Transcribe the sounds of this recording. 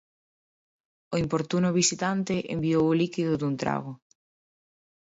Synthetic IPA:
oimpoɾt̪unʊβ̞isit̪ant̪ɪʔḛmbiowolikiðʊðunt̪ɾa̰ɣʊ

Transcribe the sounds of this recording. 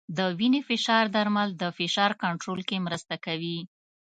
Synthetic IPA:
d̪əwinefɪʃɑɾd̪aɾmald̪əfɪʃɑɾkaɳʈɾolkemɾəst̪akawi

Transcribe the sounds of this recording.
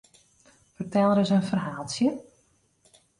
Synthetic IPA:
fərtʰɛlˠəɾəsənfərɦaːlˠsjə

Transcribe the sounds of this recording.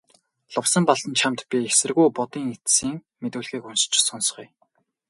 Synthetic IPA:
ɮʊwsə̆mpɔɮtə̆nt͡ɕʰamt̪pʲiesɘ̆rɣujpʊt̪iːŋet̪siːŋ | met̪ŭːɮɣiːkuns̆t͡ɕsɔnsχuj

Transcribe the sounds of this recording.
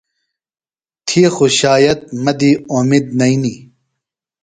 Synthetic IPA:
t̪ʰiːxuɕaːjɐt̪̚mɐd̪iomid̪nɐini

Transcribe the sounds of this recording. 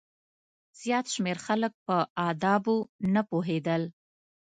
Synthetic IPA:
z̥jɑt̪ʃmeɾxalək̚pəɑd̪ɑbonapoɦed̪əl

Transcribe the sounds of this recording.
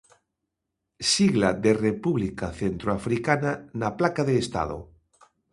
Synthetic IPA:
siɣlaðerepuβlikaθent̪ɾoafɾikananaplakaðeːst̪a̰ð̞o̰

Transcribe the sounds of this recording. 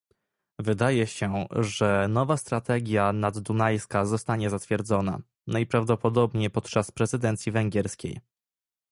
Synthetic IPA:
vɘd̪ajɛɕɛʐɛnɔvast̪ɾat̪ɛɡʲjanad̪ːunajskazɔst̪aɲɛzat̪fʲjɛɾd̪zɔna̰ | najpɾavd̪ɔpɔd̪ɔbɲejpɔt̪̚t͡ʂaspɾɛzɘd̪ɛnt̪sʲjivɛŋɡʲɛɾskʲḛj

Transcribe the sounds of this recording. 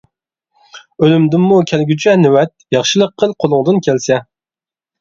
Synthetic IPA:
ølymd̪ɪnmukʲʰælɡʲyt͡ʃʰɛnɪwɛt̪̚jɑχʃɨlˠəqʰːəlˠqʰolˠʊŋd̪ɨnkʲʰælsɛ

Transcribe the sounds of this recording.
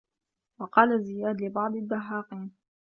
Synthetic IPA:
wɑqɑːlazɪjaːd̪lɪbɑʕd̪ˤɪd̪ːaħːɑːqiːn

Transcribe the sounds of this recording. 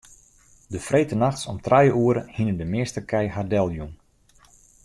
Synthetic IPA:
dəfrejtənaxtsɔmtrajəʔuəɾəhinəndəmɪəstəkʰɛjhardɛlˠjun

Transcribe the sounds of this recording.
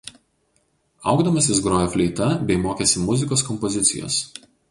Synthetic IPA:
ɐ̰ʊɡd̪ɐmɐsʲɪs̬ɡɾoːjofʲlʲɛɪt̪ɐbʲɛɪmoːkʲeːsʲɪmʊzʲɪkoːskɔmpɔzʲɪt̪sʲɪ̰jo̰ːs

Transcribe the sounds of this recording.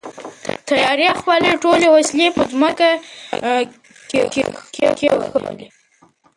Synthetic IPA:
t̪ajɑɾjaxwɑleʈolewasilepəzməka | kekekḛkexəwə̰li

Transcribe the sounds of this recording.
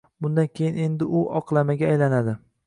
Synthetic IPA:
bʊnd̪ankʲʰe̞jɪne̞nd̪ɪʔʊʔɒqlˠamaɡʲaːjlanad̪ɪ

